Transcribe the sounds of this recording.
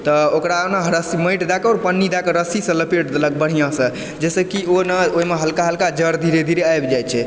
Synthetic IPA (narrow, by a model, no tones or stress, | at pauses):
t̪ɔokɾaːpnaɦɾəsiməjʈd̪akɔːɾpənːid̪akəɾəsisə̃ləpeʈd̪lək̚bəɽ̤ijãsə̃ | d͡ʒɛsə̃kionəoimeɦəlkaɦəlkad͡ʒəɾd̪ʱiɾed̪ʱiɾeajbd͡ʒajt͡ʃʰɛ